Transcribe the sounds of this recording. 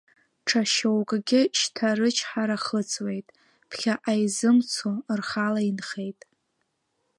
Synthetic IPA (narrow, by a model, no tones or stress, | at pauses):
ʈ͡ʂʰaʃowkʼɡʲɪʃtʰaɾɨt͡ʃʰħaɾaχət͡sʰʼwe̞jtʼ | pʰχʲaʔajzɨmt͡sʰorχalainχe̞jtʼ